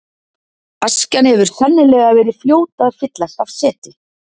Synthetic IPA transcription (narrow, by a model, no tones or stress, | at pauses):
ascanhɛvʏɾ̥θɛnːɪlɛːɣavɛːɾɪð̥fljoːwt̪aðfɪt̪lasav̥sɛːt̪ɪ